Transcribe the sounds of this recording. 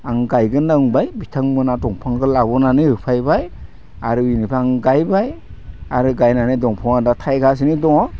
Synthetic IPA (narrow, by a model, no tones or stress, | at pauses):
aŋɡajɡɯnaŋbajbitʰaŋmɯnadɔŋpʰaŋɡɯlabɔnanɯhɯpʰajbaj | aɾɯinipʰaaŋɡajbaj | aɾɯɡajnanɯdɔŋpʰɔŋadatʰajɡas̬inidɔŋɔ